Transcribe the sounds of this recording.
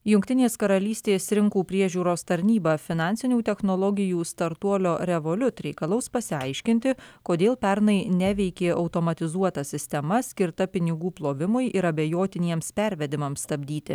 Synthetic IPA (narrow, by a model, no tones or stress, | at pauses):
jʊŋkʲt̪ʲɪnʲeːskɐɾɐlʲiːsʲt̪ʲeːsɾʲɪŋkuːpʲɾʲiɛʒʲuːɾoːst̪ɐɾʲnʲiːbɐfʲɪnɑˑnʲsʲɪnʲuːt̪ʲɛxnolˠɔɡʲɪjuːst̪ɐɾt̪uɔlʲoːɾʲɛʋolʲʊt̪ɾʲɛɪkɐlˠɐʊspɐsʲɪɐɪʃʲkʲɪnʲt̪ʲɪkoːd̪ʲeːlˠpʲɛɾnɐɪnʲɛʋʲɛɪkʲeːʔɒʊt̪oːmɐt̪ʲɪzuɔt̪ɐsʲɪsʲt̪ʲɛmɐsʲkʲɪɾt̪ɐpʲɪnʲɪɡuːplˠoːʋʲɪmʊɪʔɪɾɐbʲejoːt̪ʲɪnʲiɛmspʲɛɾʲʋʲɛd̪ʲɪmɐmst̪ɐbʲd̪ʲiːt̪ʲɪ̰